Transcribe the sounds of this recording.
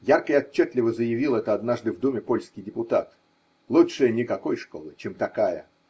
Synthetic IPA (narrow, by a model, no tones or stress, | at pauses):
jarkəɪɐt͡ɕːet̪ʲlʲɪvəzəjɪvʲilˠɛt̪əɐd̪naʐd̪ɨvd̪umʲɪpolʲskʲɪjdʲɪpʊt̪at̪ | lˠuʂɨjənʲɪkɐko̞jʂko̞̰lˠɨt͡ɕemt̪ɐkajə̰